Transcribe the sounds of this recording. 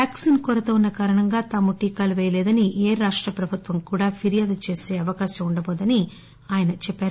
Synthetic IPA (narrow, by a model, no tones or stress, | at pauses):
paːksinkɔɾɐt̪ɐːunːɐkaːɾɐɳɐŋɡaːt̪aːmuʈiːkaːluʋɛːjɐlɛːd̪ɐnieːɾaːʂʈɾɐpɾɐbʱut̪ʋɐmkuːɽaːpʰiɾijaːd̪ut͡ʃe̞ːse̞ːɐʋɐkaːʃɐmuɳɖɐbɔːd̪ɐni | aːjɐnɐt͡ʃɛpːaːɾu